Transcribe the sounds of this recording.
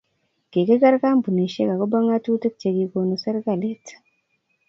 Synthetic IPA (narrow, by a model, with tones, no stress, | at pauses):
ɡ̥e˨ke˦ɡa˦ɾkaː˦mbu˨ni˨ʃe˦ka˨ko˦ba˦ŋa˦tuː˦te˦ku̥ce˨ɡi˨ko˨no˨se˦ɾka˨le˦tḁ